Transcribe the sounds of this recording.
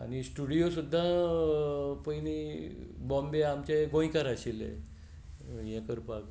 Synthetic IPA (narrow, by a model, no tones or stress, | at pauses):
a̰nisʈuɽijosud̪ʱːa | pəjnibɔ̃mbeamt͡ɕaɡõj̃kaɾaɕilḛ | jɛ̃kəɾpak